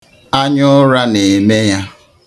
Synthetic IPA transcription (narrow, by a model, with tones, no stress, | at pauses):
a˦ɲʊ˦ɾa˦ne˨me˦ja˦